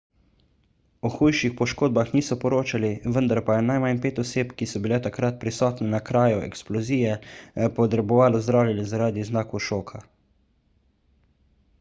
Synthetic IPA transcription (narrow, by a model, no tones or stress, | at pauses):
ɔxujʃixpɔʃkoːd̪̚baxniːsɔpɔɾoːt͡ʃaliʋənd̪aɾpajɛnajmanpeːt̪ɔseːpkisɔbilɛt̪akɾat̪̚pɾisɔːt̪nɛnakɾaːjuɛ̰ksplɔziːjɛpɔt̪ɾɛbɔʋaːlɔzd̪ɾaːwlʲalizaɾaːd̪iznaːkuʃoːkʰa